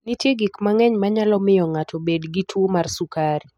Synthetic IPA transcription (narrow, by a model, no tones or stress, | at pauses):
nitjeɡikmaŋɛɲmaɲalɔmɪjɔŋatʰɔbedɡitʰwomarsukaɾi